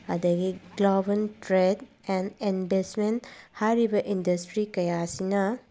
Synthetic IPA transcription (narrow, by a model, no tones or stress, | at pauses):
ɐdɐɡiɡlobɐntɾed | ɛndinbesmenthajɾibɐʔindɐstɾikɐjasinɐ